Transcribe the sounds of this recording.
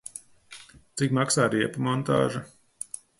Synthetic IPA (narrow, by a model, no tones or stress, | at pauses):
t̪sikmaksaːɾiɛpumɔnt̪a̰ːʒɐ